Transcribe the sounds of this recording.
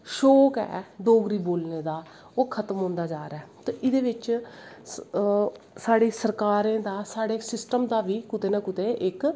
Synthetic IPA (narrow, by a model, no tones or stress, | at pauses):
ʃoːkɛ̰ːd̪oːɡɾiːboːlneːd̪aː | oːkʰət̪mɦõːnd̪aːd͡ʒaːɾɛːt̪ẽːʔɪd̪eːʋɪt͡ʃ | saːɽeːsəɾkaːɾẽːd̪aːsaːɽeːsɪsʈəmd̪aːʋiːkʊt̪eːnãːkʊt̪eːʔɪk